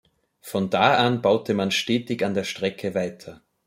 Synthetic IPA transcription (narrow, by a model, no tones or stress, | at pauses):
fɔndaːʔanbaʊtəmanʃteːtɪçandeːɐʃtʁ̥ɛkʰəvaɪtʰɐ